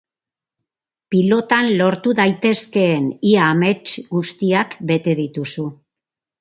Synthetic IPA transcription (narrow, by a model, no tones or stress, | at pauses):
pilo̞t̪anlo̞ɾt̪uðajt̪e̞ske̞ːniaːme̞t͡ʃɡust̪iakbe̞t̪e̞ð̞it̪usu